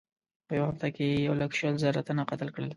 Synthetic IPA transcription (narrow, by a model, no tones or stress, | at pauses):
pəjawahaft̪akeejawlakʃəlzəɾat̪anaqat̪əlkɽəl